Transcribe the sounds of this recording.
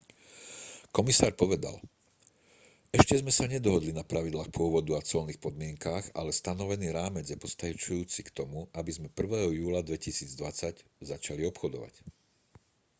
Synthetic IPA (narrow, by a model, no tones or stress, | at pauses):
kɔmisaːɾpɔʋɛd̪a̰l | ɛʃcɛzmɛsaɲɛd̪ɔɦɔd̪linapɾaʋid̪laːxpʊɔʋɔd̪uat͡sɔlniːxpɔd̪mɪɛŋkaːɣa̰lɛst̪anɔʋɛniːɾaːmɛd͡zjɛpɔst̪at͡ʃujuːt͡sikt̪ɔmuʔabizmɛpr̩ʋɛːɦɔjuːlad̪ʋɛcisiːd͡zd̪ʋat͡saɟzat͡ʃaliɔpxɔd̪ɔ̰ʋa̰c